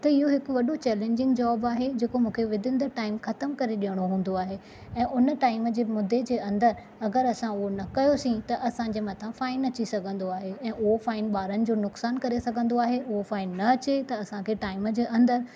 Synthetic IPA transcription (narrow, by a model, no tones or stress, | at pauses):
t̪ɐɪɦoɦɪkʊ̆ʋɐɗot͡ɕɛːlẽːɲd͡ʑɪ̃ŋɡd͡ʑɔːbaːɦed͡ʑeːkomũːkʰeʋɪd̪ʱɪ̃nd̪əʈaːɪmxɐt̪əmkɐɾeɗijəɽ̃oɦũːn̆d̪oaːɦe | ɛ̃ːʔʊnəʈaːɪməd͡ʑeːmʊd̪ʱːed͡ʑeːɐ̃nd̪əɾ | ɐɡəɾɐsãʊɦonɐkɐjosĩt̪ɐʔɐsãd͡ʑeːmɐt̪ʰãfaːɪnɐt͡ɕisɐɡʱə̃nd̪oaːɦeɛ̃ːʔʊɦofaːɪnɓaːɾənɪ̆d͡ʑoːnʊksaːnkɐɾesɐɡʱə̃nd̪oaːɦeʔʊɦofaːɪnːɐɐt͡ɕet̪ɐɐsãkʰeːʈaːɪmd͡ʑeːʔɐ̃nd̪əɾ